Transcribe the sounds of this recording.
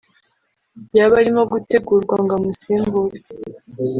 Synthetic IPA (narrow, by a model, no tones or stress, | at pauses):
jaβaɾimo̞ɡute̞ɡuːɾɡwaŋɡamusiːmbuɾi